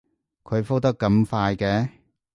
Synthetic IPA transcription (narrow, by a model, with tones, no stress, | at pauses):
kʰɵ˨˧ɥfo˥t̪ɐ˥kːɐ˧mfaː˧jkɛː˧